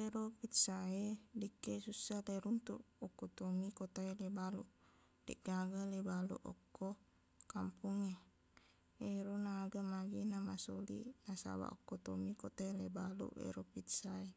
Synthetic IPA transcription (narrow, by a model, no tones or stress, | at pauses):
eɾopit̪saedikːesusaleɾunt̪uʔɔkːɔt̪omikɔt̪ailebaluʔ | dɛ̰ʔɡaɡalebalṵʔɔ̰kːo | kampuŋe | eɾonaːɡamaɡinamasolḭnasa̰wa̰ʔɔkːot̪ɔmikɔt̪aelebalṵʔḛɾopit̪sae